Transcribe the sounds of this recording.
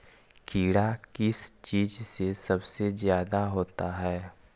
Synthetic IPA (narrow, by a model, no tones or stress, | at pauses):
kiːɽakɪst͡ʃiːd͡ʒsesɐbsezjaːd̪aɦoːt̪aɦɛː